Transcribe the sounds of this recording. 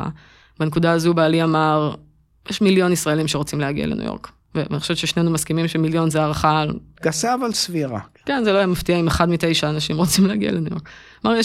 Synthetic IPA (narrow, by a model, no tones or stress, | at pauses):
a̰ | banekudaazubaːliamaʁ | jɛʃmiljo̞nisʁaelimʃeʁot͡simlehaɡḭa̰lenṵjo̰ʁk | vea̰niχoʃevtt͡ʃʃeʃnenumaskimimʃemiljo̞nzeaʁaχalɡ̥asaavalsviʁa̰kenzeloajamaft̪iaimeχadmit̪e̞jʃaːnaʃimʁot͡simleaɡḭa̰lenujo̰k | maʁje